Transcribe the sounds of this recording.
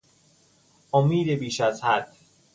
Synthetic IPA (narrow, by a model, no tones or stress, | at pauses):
ʔomiːd̪ebiːʃæzhæd̪̥